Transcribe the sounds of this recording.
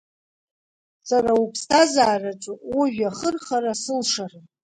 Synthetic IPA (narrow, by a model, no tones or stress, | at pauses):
saɾaupʰstʰazaːrat͡ʃʷʼuʔuʒᶣaχərχaɾasɨlʂarɨ